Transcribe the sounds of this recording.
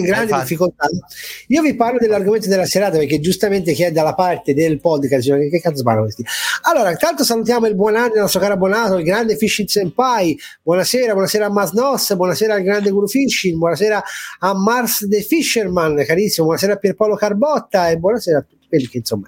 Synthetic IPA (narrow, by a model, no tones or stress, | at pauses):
iɡɾand̪idifːikolt̪aiːoviparlod̪elːarɡoment̪̬od̪elːaseɾaːt̪apeɾk̟ːed͡ʒust̪ament̪ek̟iɛd̪ːalːapart̪ed̪elpɔd̪kasiakekːekːat̪spa̰nːokest̪ialːoːɾat̪ant̪osalut̪jaːmoilbwɔnanːinɔst̪ɾokaːɾabɔnaːt̪oilɡɾand̪efiʃːit̪sempaj | bwɔnaseːɾabwɔnaseːɾaːmːasnɔsːbwɔnaseːɾaːlɡɾand̪eɡuɾufiʃːinbwɔnasɛːɾaːmːarsd̪efiʃːermankaɾisːimabwɔnaseːɾapːjɛɾpawlokarbɔt̪ːaebwɔnaseːɾat̪ːut̪ːi̥pelkeinsomːa